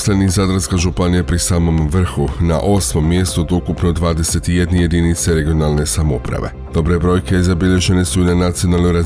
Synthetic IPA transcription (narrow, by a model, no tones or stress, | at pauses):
slenizad̪ɾaskaʒupanijapɾisaːmo̞mʋr̩xuna̰ʔo̞smo̞mːje̞st̪ud̪oukupno̞d̪ʋaːd̪e̞se̞t̪ije̞d̪neje̞d̪init̪se̞ɾe̞ɡio̞nalˠne̞samopɾa̰ʋe̞̰d̪̥o̞bɾe̞bɾo̞jkezabiʎe̞ʒe̞ne̞suinanat̪sio̞nalˠnojɾa